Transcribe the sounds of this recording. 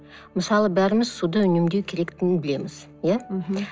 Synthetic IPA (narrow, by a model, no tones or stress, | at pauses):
məsɑlˠəbæɾɪmɪzsud̪əʏnemd̪ewkʲʰe̞ɾe̞kt̪ɪnɪnbɪle̞mɪz̥ | jæ